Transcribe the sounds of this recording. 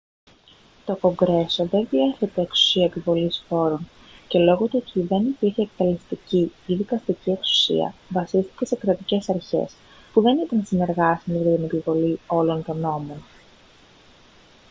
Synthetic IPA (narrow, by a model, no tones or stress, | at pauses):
t̪o̞ko̞ŋɡɾe̞so̞ðe̞nðie̞θe̞t̪e̞ːksu̥siɐepivo̞lisfo̞ɾon | ce̞lo̞ɣot̪oc̪iðe̞nipiɾçeːk̚t̪elist̪iciːðikɐst̪icie̞ksu̥sḭɐ̰vɐsist̪i̥ce̞se̞kɾɐt̪ice̞sɐɾçe̞̰s | puðe̞nit̪ɐnsine̞ɾɣɐsmiet̪inepivo̞lio̞lo̞nt̪o̞no̞mo̞n